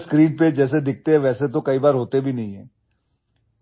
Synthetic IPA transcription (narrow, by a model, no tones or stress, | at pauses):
skɾĩːnped͡ʒɛːs̬ed̪ɪk̚ʰt̪eɦɛ̃ʋɛːset̪̬okɐibaːɾɦoːt̪ebʱinɐɦĩɦɛ̃ː